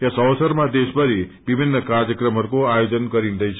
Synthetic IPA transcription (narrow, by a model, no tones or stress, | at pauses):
asəʋsəɾmãd̪eʃbəɾi | ʋibʱinːəkaɾjəkɾəməɾkoajod͡ʒənkəɾinɾəjt͡ʃʰ